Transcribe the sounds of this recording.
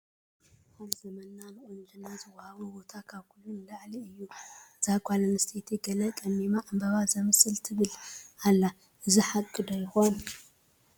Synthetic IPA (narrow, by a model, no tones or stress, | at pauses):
kalzɐmɐnːanɨʔʼond͡ʒɨnːazɨwɐhaβubo̞t̪ʰakʰaβkʰulːunɨlaʕliɨjːuz̥akʰʷʼalɐnɨst̪ʰet̪ʰiɡɐlɐkʼɐnːimaʔambɐβazɐmɨsɨlt̪ʰɨβɨlalːa | ʔɨziħakʼːɨd̪ojɪxon